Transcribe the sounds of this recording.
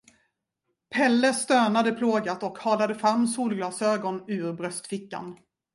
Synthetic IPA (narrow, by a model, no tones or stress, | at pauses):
pʰɛlːəst̪øːnad̪əpʰloːɡat̪ɔkhɑːlad̪əfɾamːsuːlɡlɑːsøːɡɔnʉ̟ːɾbɾœst̪fɪkːa̰n